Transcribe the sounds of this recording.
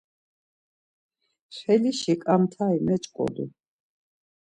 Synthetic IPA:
χɛliʃikʼamt̪ʰaimɛt͡ʃʼkʼɔ̰d̪ṵ

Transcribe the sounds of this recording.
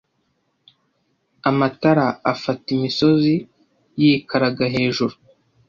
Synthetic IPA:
amataɾaafatimiso̞zi | jikaɾaɡaɦe̞ːʒuɾu

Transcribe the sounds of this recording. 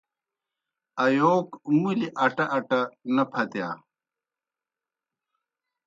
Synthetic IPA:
ɐjoːkmuliʔɐʈɐʔːʈɐnɐpʰɐt̪jaː

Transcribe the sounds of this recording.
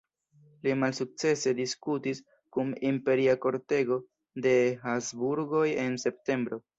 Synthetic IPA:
limalsuk̚t͡se̞se̞diskutis | kumimpe̞ɾiako̞ɾte̞ɡo̞ | de̞ɦazbuɾɡo̞je̞nse̞p̚te̞mbɾo̞

